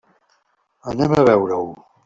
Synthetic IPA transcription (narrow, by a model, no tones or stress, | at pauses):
ənɛməβɛwɾəw